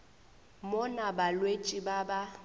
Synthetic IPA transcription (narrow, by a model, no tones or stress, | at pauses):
mʊnabalwet͡ʃʼibaba